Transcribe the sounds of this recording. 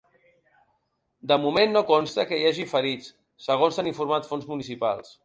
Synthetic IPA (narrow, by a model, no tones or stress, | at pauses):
d̪əmumenːokonst̪əkəjaʒifəɾit͡sː | əɣ̞onsaniɱfuɾmat̪fonzmunisipa̰lˠs